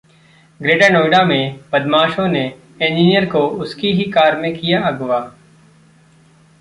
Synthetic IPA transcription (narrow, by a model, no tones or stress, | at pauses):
ɡɾeːɖaːnoːɪɖaːmẽːbəd̪maːʃõːneː | ẽːnd͡ʒiːnɪjəɾkoːʊskiːɦiːkaːɾmẽːkɪjaːəɡʋaː